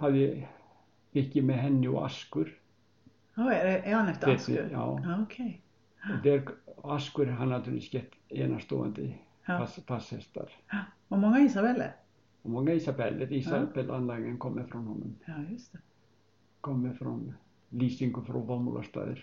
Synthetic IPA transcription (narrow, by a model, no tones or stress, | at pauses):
haðjɪ | mɪhcɪmɛɦɛnːɪɔ̰a̰skʉɾ | oanɛft̪et̪ɪ̰ja̰ːwokʰej | ɔd̪ɛɾaskʏɾɦanːt̪ʰʉːlɪsçɛht̪eːnast̪o̰ːa̰nt̪ɪ | ast̪ʰashɛst̪a̰ɾ̥ | ɔmɔŋːaisabɛlɛ̰ɾ | ɔmɔŋːaisabɛlːɪɾiːsabɛlʔanlaːɪŋənkʰɔmːɪfɾɔnhɔnːʏmjst̪ɛ | kʰɔmːɪfɾɔn | liːsɪŋkʊfɾɔ̰vamṵlʔa̰st̪a̰ːðɪ̰ɾ̥